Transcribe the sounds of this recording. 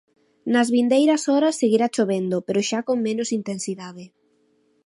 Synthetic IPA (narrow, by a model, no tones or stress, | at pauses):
nɐzβind̪ejɾɐsɔɾɐsːeɣiɾat͡ʃoβend̪opeɾoʃakoŋmẽnʊsint̪ẽnsiðaðɪ